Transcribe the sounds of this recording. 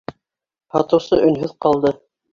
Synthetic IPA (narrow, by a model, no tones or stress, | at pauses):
hɑt̪ɤ̆wsɤʔɵ̆nɦɵðqɑlˠd̪ɤ